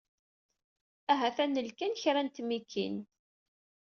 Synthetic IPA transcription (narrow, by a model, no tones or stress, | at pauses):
æɦæθænːəlkænçɾænt̪mikʰːḭn